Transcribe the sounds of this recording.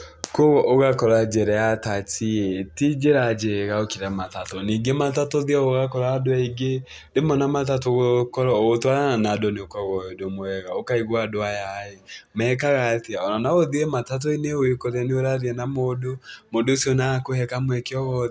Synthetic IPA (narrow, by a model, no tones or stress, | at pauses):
koɣɔʔoɣakɔɾad͡ʒɛɾɛjatatietid͡ʒeɾad͡ʒeɣaokiɾamatatoniːɡematatoðiaɣoɣakɔɾaːdoaiɡe | demɔnamatatoɣokɔɾaoɣotwaaanadoneokɔɣɔɔdomoɛɣaokaiɣwadoajaemɛkaɣatiaɔnanaoðiɛmatat̬oineoekoɾɛneoɾaɾiɛnamodomodosiɔnakohɛkamwɛkeɔɣɔ